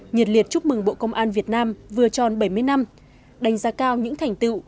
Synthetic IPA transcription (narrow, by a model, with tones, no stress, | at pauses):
ɲɨ˨˩t̚li˨˩ət̚t͡ɕʊ˦˥p̚mɨ˨˩ŋɓo̰˧˨kə˧wŋ͡mʔaː˧nvi˨˩ət̚naː˧mvɨ˨˩ət͡ɕɔ˨˩nɓə˧˩jmɨ˧əjna˧m | ɗa˨˧˩jŋ̟zaː˧kaː˧wɲɨ̰˧˥ŋt̪ʰɛ˨˩jŋ̟t̪ɨ̰˧˨